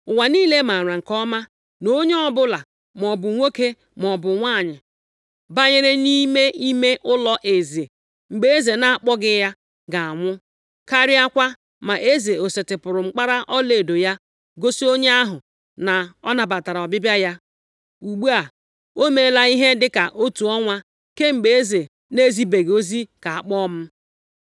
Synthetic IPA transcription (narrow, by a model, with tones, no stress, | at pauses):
ʊ˨wa˨niː˦le˦ma˨ɾa˨ŋ̩˨kɔ˦ma˦ | no˦ɲe˦ɔ˦bʊ˦la˨ | m˨ɔ˨bʊ˨ŋʷe˦ke˦ | mɔ˨bʊ˨ŋʷa˦˨ɲɪ˨ | ba˦ɲe˦ɾe˦ni˦me˦i˦me˦ʔʊ˦lɔ˦ʔe˨ze˨ | ŋ͡m̩˨ɡ͡be˦e˦ze˨na˦˨a˨k͡pɔ˦ɡɪ˦ja˦ | ɡa˨a˨ŋʷʊ˦ | ka˦ɾɪ˦a˦kʷa˦ | ma˨ʔe˦ze˨o˨se˨tɪ˨pʊ˨ɾʊ˨ŋ͡m̩˦k͡pa˦ɾa˦ʔɔ˦le˨do˨ja˦ | ɡo˦si˦o˦ɲe˦a˦ɦʊ˨ | na˨ɔ˦na˨ba˨ta˨ɾa˨ɔ˨bɪ˦bja˦ja˦ | u˨ɡ͡bu˦a˨ | o˦me˨˦la˨i˦ɦe˦dɪ˦ka˨ʔo˦tu˨ɔ˦ŋʷa˦ | ke˦ŋ͡m̩˨ɡ͡be˨e˦ze˨ | ne˦zi˦be˨ɡo˦zi˦ka˨a˨k͡pɔ˦m̩˦